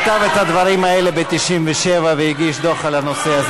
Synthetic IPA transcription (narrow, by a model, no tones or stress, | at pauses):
t̪avet̪had̪vaɾimaelebet̪iʃimveʃevavejiɡiʃd̪o̞χalano̞seaz